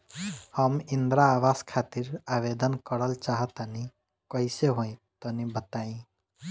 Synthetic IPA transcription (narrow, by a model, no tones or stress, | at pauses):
həmind̪ɾaːʋaskʰat̪iɾaʋed̪ənkəɾəlt͡ʃaɦət̪ani | kɔiseɦoĩt̪ɔnibət̪aĩ